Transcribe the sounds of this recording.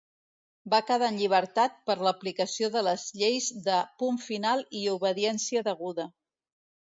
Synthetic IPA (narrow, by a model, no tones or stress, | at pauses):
bakəðaənʎiβ̞əɾt̪at̪̚pəɾləplikəsioðələzʎejzðəpuɱfinalˠiuβəðiɛnsiəðəɣ̞uðə